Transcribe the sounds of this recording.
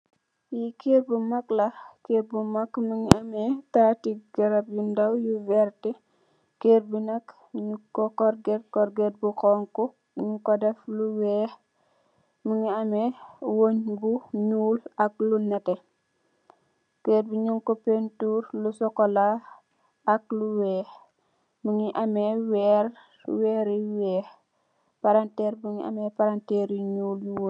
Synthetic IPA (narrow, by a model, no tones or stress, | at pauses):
jikeːr̚bumɐklɐkeɾ̚bumɐkmuŋiɐmɛtatiɡɐɾɐp̚jundɐwjuvɛɾti | keːrbunɐk | ɲukɔkɔɾɡɛt̚kɔɾɡɛt̚bukɔŋkɔ | ɲukɔdɛfluwɛː | muŋiɐmɛwoɲbuɲuːlɐk̚lunɛtɛ | kɛːt̚buɲɔŋkɔpentuːɾlusɔkɔla | ɐk̚luwɛːx | muŋiʔɐmɛwɛːɾ | wɛːɾiwɛːx | paɾantɛːɾbuŋia̰mɛpaɾantɛɾiɲuːljuwo